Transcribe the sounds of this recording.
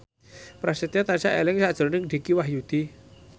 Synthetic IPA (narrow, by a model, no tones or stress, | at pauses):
pɾasit̪iat̪anisaʔelɪŋsad̥ʒ̥o̤ɾnɪŋɖ̥i̤kiwahjud̪̥i